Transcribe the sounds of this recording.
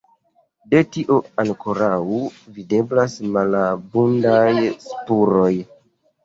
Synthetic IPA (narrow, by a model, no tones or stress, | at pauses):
de̞tiʔoaŋkʰo̞ɾauvide̞blasmalabundajspuɾo̞j